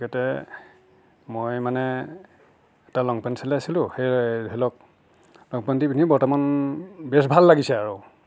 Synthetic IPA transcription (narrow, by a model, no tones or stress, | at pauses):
kɛtɛ | mojmanɛ | ɛtalɔŋpantisʰɛlɛasilʊ̃xejɦɛlɔk̚ | lɔŋpantibinibɔɹtɔmanbɛs̬bʱalːaɡisɛaɹu